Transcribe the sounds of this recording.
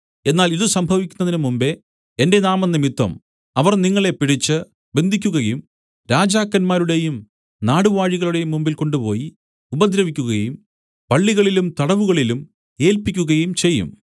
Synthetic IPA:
e̞nːaːliðusɐmbʱɐʋikʲːunːɐðinɨmumbe̞ | ende̞naːmɐnːimit̪ːɐ̰m | ɐʋɐrniŋːɐɭe̞piɽit͡ɕːɨ | be̞nd̪ʱikʲːuɣɐjum | ɾaːd͡ʑaːkːɐnmaːɾuɽe̞jum | naːɽuʋaːɻiɣɐɭuɽe̞jumːumbilko̞ɳɖupo̞ːji | ubɐd̪ɾɐʋikʲːuɣɐjum | pɐɭːiɣɐɭilumt̪ɐɽɐʋuɣɐɭilum | e̞ːlpikʲːuɣɐjumt͡ɕe̞jːṵm

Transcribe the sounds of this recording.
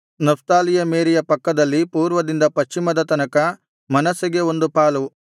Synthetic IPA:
nɐpt̪aːlijɐmeːɾijɐpɐkːɐd̪ɐlːipuːɾʋɐd̪ind̪ɐpɐʃt͡ʃːimɐd̪ɐt̪ɐnɐkɐ | mɐnɐsɐɡeo̞nd̪upaːlu

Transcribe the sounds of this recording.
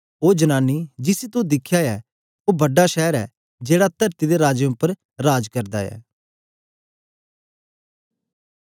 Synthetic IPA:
oːd͡ʒənaːnːiːd͡ʒɪsit̪ʊd̪ɪkʰjaɛː | oːbəɖaʃɛːɾɛː | d͡ʒeːɽat̪əɾt̪id̪eɾaːd͡ʒjə̃ʊpːəɾ | ɾaːd͡ʒkəɾd̪a̰ːɛ̰ː

